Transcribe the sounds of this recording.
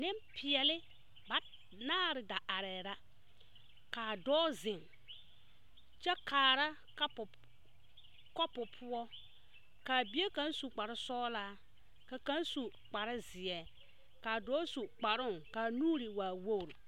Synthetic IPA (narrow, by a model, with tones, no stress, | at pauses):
nɪ˦mpʰɪ˨ɛ˨lɪ˦ | ba˨ | naː˦ɾɪ˨da˨ʔa˨ɾɛ˨ɾa˦ | kaː˨dɔː˦zɪ˨ŋ | t͡ʃɛ˦kʰaː˨ɾa˦ | ka˦p | kɔ˦pʊ˨pʰʊ˦ɔ˦ | kaː˨bi˨˦e˦ka˦n˦su˨k͡pa˨ɾɪ˦sɔː˦laː˦ | ka˨ka˦nsu˨ | k͡pa˨ɾɪ˦zɪ˨ɛ˨ | ka˨dɔː˦su˨k͡pa˨ɾʊ˦˨ŋkaː˨nuː˦ɾi˨waː˨wo˦˨ɾ